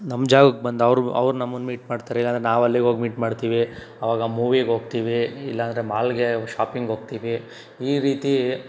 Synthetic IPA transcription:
nɐmd͡ʒaːɡɐkːbɐnd̪ɐʋɾuɐ̰ʋɾunɐmːɐnːmiːʈmaːɖt̪aːɾeilːaɐnd̪ɾenaːʋɐlːiɡoːɡmiːʈmaːɖt̪iːʋi | ɐʋaːɡɐmuːʋiɡɦo̞ːɡ̚t̪iːʋiilːɐːnd̪ɾe̞maːlɡeʃaːpiŋɡɦoːɡ̚t̪iːʋi | iːɾiːt̪i

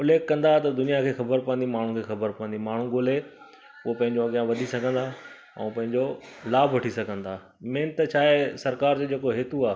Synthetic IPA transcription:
ʊleːkːɐ̃nd̪at̪ɐd̪ʊnijakʰeːxɐbəɾpɐə̃nd̪imaːɳ̤ũkʰeːxɐbəɾpɐʋə̃nd̪imaːɳ̤ũɡoːle | ʊɦopɐ̃ɦɪ̃ɲd͡ʑoɐɠɪjãʋɐd̪ʱisɐɡʱə̃nd̪a | ɛ̰̃ːpɐ̃ɦɪ̃ɲd͡ʑolaːbʱʋɐʈʰisɐɡʱə̃nd̪aː | mẽːnt̪t͡ɕʰaːɦesɐɾkaːɾd͡ʑed͡ʑeːkoɦeːt̪uaː

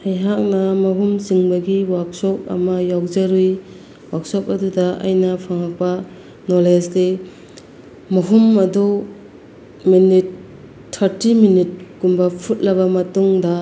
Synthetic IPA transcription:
hajɦak̚nɐmɐɦumziŋbɐɡiwak̚sɔp̚ɐ̰mɐjawzɐɾuj | wak̚sɔp̚ɐdudɐʔa̰jnɐpʰaŋak̚pɐ | nɔlesle | mɐɦumɐdu | minitʰː | ɐɾtiminit̚ɡumbɐpʰut̚lɐβɐmɐtuŋdɐ

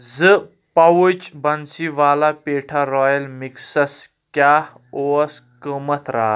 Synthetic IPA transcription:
zə | pɐwut͡ʃbɐnsiʋaːlapeʈʰaɾɔjəlmiksɐs | kaːh | oskəmɐt̪ʰɾa̰ː

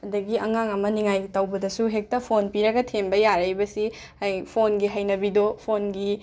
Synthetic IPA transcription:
ɐdɐɡiɐŋaŋɐmɐniŋajtɐwbɐdɐsuɦek̚tɐpʰonpiɾɐɡɐtʰembɐjaɾɐjbɐsi | hajpʰonɡiɦɐjnɐbidopʰonɡi

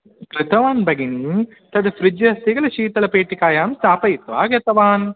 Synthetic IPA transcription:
kɾɪt̪ɐʋaːnbɐɡini | t̪ɐd̪fɾɪd͡ʒjɐst̪iɡɐlɐʃiːt̪ɐlɐpeːʈikaːjaːmst̪aːpɐjit̪ːʋa̰ːɡɐt̪ɐʋaːn

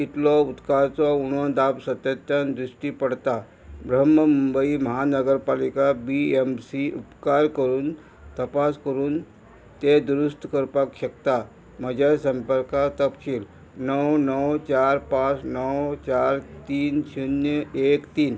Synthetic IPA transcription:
it̪lɔut̪kaɾt͡sɔuɳɔd̪apsət̪jət̪ːjand̪ɾisʈipəɽt̪a | bɾəməmumbəiməɦanəɡəɾpalikabiemsiʔupkaɾkəɾuːn | t̪əpaskəɾuːn | t̪ed̪uɾust̪ʰkəɾpakɕəkt̪a | məd͡ʑasəmpəɾkat̪əpkiːl | nəwnəwt͡ɕaɾpãt͡snəwt͡ɕaɾt̪iːnsunjəekt̪iːn

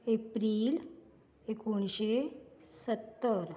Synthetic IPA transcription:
epɾil | ekuɳɕesət̪ːəɾ

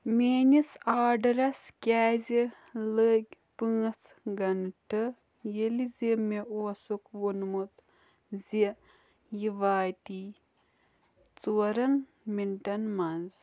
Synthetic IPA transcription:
meːnisaːɖɾɐskʲaːzʲi | ləːɡʲ | pɨːt͡sɡɐnʈɨ | jelizimeʔuɐsukwunmut̪ | zi | jiʋaːjt̪i | t͡suɐɾɐn | miɳʈɐnmɐnz

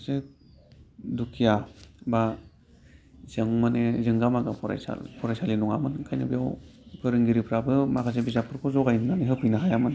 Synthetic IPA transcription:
se | dukʰijaba | zɯŋmanezɯŋɡamaɡapʰɔɾa̰jsa̰lpʰɔɾajsalinuŋa̰mɯnkʰajnɯ̰bijawpʰɯɾɯŋɡiɾipʰɾabɯmakʰas̬ebizapʰɯɾkʰɔzɔɡajnnaneɦɯpʰɯjnaɦajamɯn

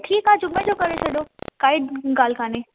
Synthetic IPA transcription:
ʈʰiːkɦad͡ʒʊmːed͡ʑokɐɾet͡ʃʰeɗokaːɪɖɡaːl̤kaːne

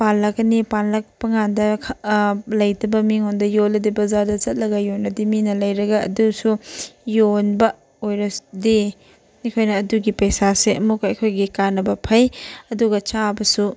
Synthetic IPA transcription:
panlɐkɐnipanlɐk̚pɐŋandɐlɐjtɐbɐmiŋɦondɐjolɐdibɐzadɐt͡ʃɐt̚lɐɡɐjonːɐdiminɐlɐjɾɐɡɐɐ̰dusujonbɐ | ojɾɐde | nikʰojnɐːduɡipɐjsaseɐmukɐjkʰojɡikanːɐbɐpʰɐjɐduɡɐt͡ʃabɐsu

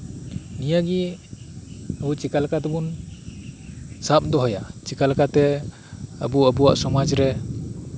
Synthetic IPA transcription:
nijaɡi | abut͡ʃikalakat̪ɔbun | sap̚d̪ɔɦɔjat͡ʃikalakat̪ɛ | a̰buabuwa̰ʔsɔmad͡ʒɾɛ

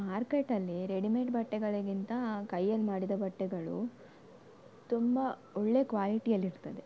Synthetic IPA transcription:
maːɾkeʈːɐlːiɾeɽimeʈ̚bɐʈːɛɡɐɭɐɡint̪ɐkɐjːɐnːmaːɽid̪ɐbɐʈːɛɡɐɭṵ | t̪umbɐɔɭːekʋaːliʈijɐlːiɾt̪ɐd̪e

